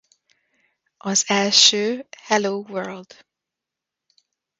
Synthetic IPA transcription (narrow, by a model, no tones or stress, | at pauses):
ʔɒzɛlʃøːhɛloːʋøɹld̪̥